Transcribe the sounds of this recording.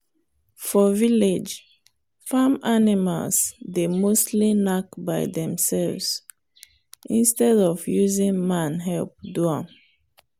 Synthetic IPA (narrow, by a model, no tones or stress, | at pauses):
fɔviled͡ʒ | fãmanima̰lsdemostlinakbaɪdɛ̃msɛlvs | ʔĩnstɛdɔvjuzĩŋmãnɦɛlp̚duɔ̃n